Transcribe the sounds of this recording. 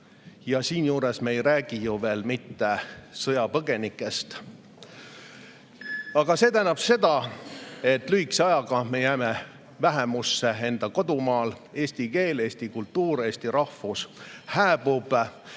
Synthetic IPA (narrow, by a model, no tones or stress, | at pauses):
jɑsiːnjuːɾesmeejɾæːɡ̥ijuve̞ːlmit̪ːesɤjɑpɤɡ̥e̞nikːˑe̞st̪ | ɑɡ̥ɑse̞ːt̪æːnːɑb̥se̞d̪ɑ | e̞t̪ːˑlyɦikseɑjɑɡ̥ɑme̞jæːme | væɦemusːe̞e̞nd̪̥ɑko̞d̪umɑːl | e̞ːsʲt̪ike̞ːle̞ːst̪ikult̪ːˑuːɾe̞ːst̪iɾɑhfushæːb̥ub̥